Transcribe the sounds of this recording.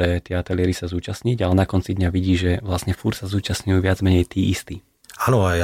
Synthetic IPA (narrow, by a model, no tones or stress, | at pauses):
ɛt̪ɪɛat̪ɛlɪɛɾisazuːt͡ʃasɲiɟalɛnakɔnt͡sid̪ɲaʋiɟiːʒɛʋlasɲɛfuɾt̪sazuːt͡ʃasɲujuʋɪad͡zmɛɲɛjt̪iːist̪iː | aːnɔaj